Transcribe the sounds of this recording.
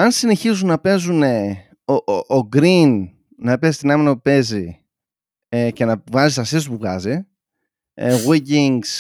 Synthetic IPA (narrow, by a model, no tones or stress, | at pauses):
ɐnsine̞çizunːɐpe̞zune | ooɡɾinː | ɐpe̞zi̥t̪inɐminɐpe̞zi | ece̞nɐvɐzist̪ɐsist̪̬puvɣɐ̰zi | ɣwiɟiŋɡs